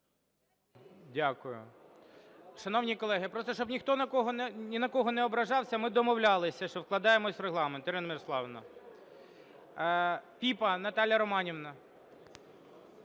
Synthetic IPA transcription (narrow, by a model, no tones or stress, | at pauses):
dʲakʊjʊ̰ | ʃɐnɔwnʲikɔlˠɛɦɪpɾɔst̪ɔʃt͡ʃɔbnʲixt̪ɔnɐkɔɦɔnʲɪnɐkɔɦɔnɛɔbɾɐʒɑwsʲɐmɪd̪ɔmɔwlʲɑlˠɪsʲɐʃt͡ʃɔwklˠɐd̪ɑjemɔsʲreɦlˠɑment̪iɾɪnɐmɪɾɔslˠɑʋnɐ̰ | pʲipɐnɐt̪ɑlʲjɐɾɔmɑnʲiʋnɐ